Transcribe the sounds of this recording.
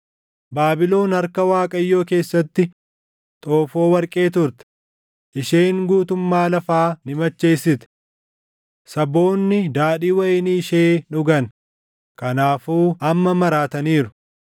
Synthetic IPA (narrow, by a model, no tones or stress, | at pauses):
baːbɪlo̞ːnɐɾkɐwaːkʼɐɪjːo̞ːke̞ːsːɐt̪ːɪ | t̪ʼo̞ːfo̞ːwɐɾkʼe̞ːt̪ʊɾt̪ɛ̥ | ʔɪʃe̞ːŋɡuːt̪ʊmːaːlɐfaːnɪmɐt͡ʃːe̞ːsːɪt̪ɛ̥ | sɐbo̞ːnːɪd̪aːᶑiːwɐjɪniːʃeːᶑʊɡɐn | kɐnaːfuːɐmːɐmɐɾaːt̪ɐniːɾʊ